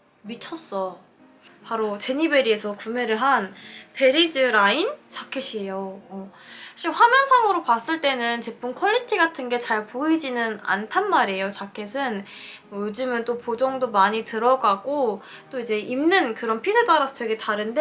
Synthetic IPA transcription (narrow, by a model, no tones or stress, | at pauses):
mit͡ɕʰʌs͈ʌ | paɾot͡ɕe̞ɲibe̞ɾie̞sʰʌkume̞ɾɯɭɦanpe̞ɾid͡ʑɯɾaint͡ɕakʰeɕʰie̞joʌaɕʰiɸwamjʌnsʰaŋɯɾopas͈ɯɭt͈e̞nɯnt͡ɕe̞p͈umkʰʌʎːitʰiɡatʰɯnɡe̞t͡ɕaɭpoid͡ʑinɯna̰ntʰanmaɾejot͡ɕakʰe̞s̬ʰɯn | mʌjod͡ʑɯmɯnt͈opod͡ʑʌŋdomaɲitɯɾʌɡaɡo | t͈oid͡ʑe̞ʔimnɯnkɯɾʌnpʰisʰed͈aɾasʰʌtwe̞ɡe̞taɾɯnde